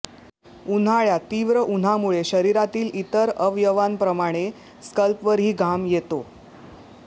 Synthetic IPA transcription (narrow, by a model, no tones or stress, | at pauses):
un̤aɭjat̪iʋɾəʔun̤amuɭeɕəɾiɾat̪iːlit̪əɾəʋjəʋanpɾəmaɽ̃e | skəlpʋəɾɦiːɡʱamjet̪o